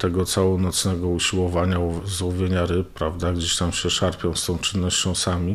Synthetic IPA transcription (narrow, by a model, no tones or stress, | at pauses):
t̪ɛɡɔt̪sawɔnɔt̪snɛɡɔuɕiwɔvaɲazwɔvʲjeɲaɾɘppɾavd̪aɡd͡ʑeɕt̪amɕɛʂaɾpʲjɔ̃st̪ɔ̃w̃t͡ʂɘnːɔɕt͡ɕɔ̃w̃samʲi